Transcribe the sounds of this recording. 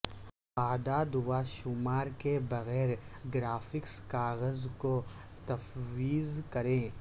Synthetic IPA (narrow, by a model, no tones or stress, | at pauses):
aːd̪aːd̪ʋaʃʊmaːɾkebɐɣɛːɾɡɾaːfɪkskaːɣəzko | t̪ɐfwiːzkɐɾẽː